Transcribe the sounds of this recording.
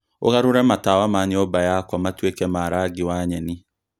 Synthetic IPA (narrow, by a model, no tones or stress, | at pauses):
o̰ɣaɾoɾɛmataːwamaɲeɔbajakwɔmatwekɛmaɾaɡiwaɲɛni